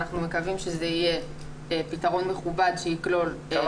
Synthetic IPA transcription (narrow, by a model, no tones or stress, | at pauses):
naχnume̞kavimʃe̞zeije | pitaʁo̞nme̞χubadʃeiklo̞l